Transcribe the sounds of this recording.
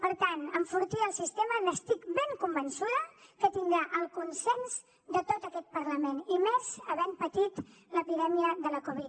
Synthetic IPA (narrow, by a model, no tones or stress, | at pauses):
pəɾt̪anəɱfuɾt̪iəlˠsist̪emələst̪ikbeŋkumbənsuðəkət̪ind̪ɾaʔəlˠkunsɛnz | d̪ət̪ot̪əkɛt̪̚pəɾləmenimezəβɛmpət̪it̪ | ləpiðɛmiəðələkuβ̞it̪